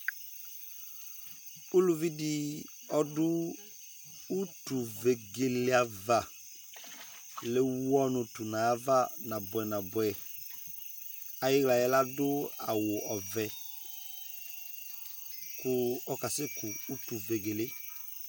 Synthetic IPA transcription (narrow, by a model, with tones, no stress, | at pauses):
ʊ˦lu˨vi˦dɪ˨ | ɔ˦dʊ˦ | tu˨ve˨ɡe˨lɪ˦a˨va˨ | le˦wɔ˦nʊ˨tu˨na˨˦va˦na˨bɛ˨na˨bʊ˨ɛ˨ | a˨jɪ˦ɡla˨jɛ˦la˦dʊ˦a˨wʊ˨ʔɔ˨vɛ˨ | kʊ˨ɔ˦ka˨se˦kʊ˨u˦tu˨ve˨ɡe˨lɪ˦